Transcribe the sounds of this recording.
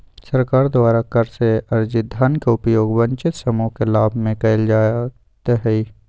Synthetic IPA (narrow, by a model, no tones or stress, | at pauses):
səɾkaːɾd̪waːɾakəɾseɐɾd͡ʒɪd̪ʱankeʊpjoːɡʋə̃ɲt͡ʃɪt̪sɐmukelaːbʱmẽkɐɪld͡ʒaːja | t̪eɦɛi